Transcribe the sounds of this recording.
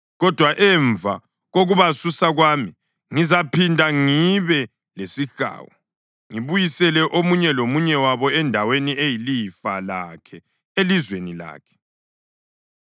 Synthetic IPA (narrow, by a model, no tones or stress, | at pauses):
ɣɔd̥ʱwaʔɛɱvʱa | ɣoɣuβasusaɣwaːmi | ŋizapʰindʱaŋiβɛ | lesixa̰ːwɔ | ŋiβujisɛlɛʔomuɲɛlomuɲɛwaβɔɛndʱaweniejilifalakʰɛ | elizwenila̰ːkʰɛ̥